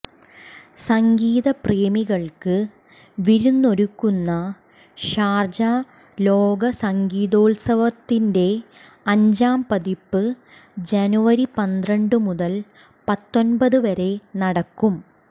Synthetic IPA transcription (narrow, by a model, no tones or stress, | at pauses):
sɐŋɡiːðɐpreːmiɣɐɭkɨ | ʋiɾunːo̞ɾukːunːɐ | ɕaːrd͡ʑa | lo̞ːɡɐsɐŋɡiːðoːlsɐʋɐt̪ːinde̞ | ɐɲd͡ʑaːmpɐðipːɨ | d͡ʑɐnuʋɐɾipɐnd̪rɐɳɖɨmuðɐl | pɐt̪ːo̞nbɐðɨʋɐɾe̞nɐɽɐkːum